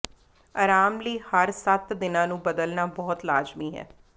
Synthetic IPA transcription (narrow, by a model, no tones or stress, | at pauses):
əɾaːmliːhəɾsət̪d̪ɪnãːnũːbəd̪əlnaːbɔːʊt̪laːd͡ʒmiːɦɛ̰ː